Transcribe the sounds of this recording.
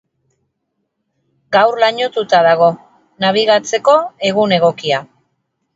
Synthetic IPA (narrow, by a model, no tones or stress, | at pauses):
ɡawrlaɲo̞t̪ut̪aðaɣ̞o̞ | naβ̞iɣ̞at͡se̞ko̞e̞ɣune̞ɣ̞o̞kia